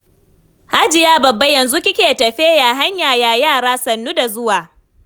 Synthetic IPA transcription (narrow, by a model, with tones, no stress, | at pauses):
ha˦d͡ʒɪ˨jaː˦bɐ˨bːa˦jɐ˨nzu˦kʲɪ˦kʲeː˨tɐ˨ɸeː˦ja˨ɦa˦ɲjaː˨jaː˨jaː˦˨ɽaː˦sɐ˨nːu˦da˨zʊ˦waː˨